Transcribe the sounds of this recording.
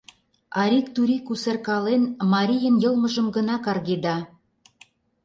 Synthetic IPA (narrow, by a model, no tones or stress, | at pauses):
ɑɾikt̪uɾʲikuserkɑlenmɑɾʲijənjɤ̆lˠməʒə̆mɡə̆nɑkɑrɣed̪ɑ